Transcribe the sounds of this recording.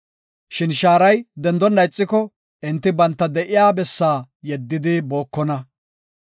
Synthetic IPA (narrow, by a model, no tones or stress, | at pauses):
ʃɪnʃaːɾɐjd̪ɛnd̪ɔnːɐjt͡sʼːɪkɔ | ɪnt̪ːɪbɐnt̪ːɐd̪ɛʔɪjaːbɛsːaː | jɛd̪ːɪd̪ɪbo̞ːkːɔnɐ